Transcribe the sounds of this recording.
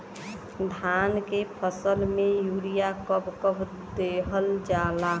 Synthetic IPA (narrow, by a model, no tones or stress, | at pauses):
d̪ʱaːnkepʰəsəlmẽjuːɾijakəbkəb | d̪eɦəld͡ʒaːlaː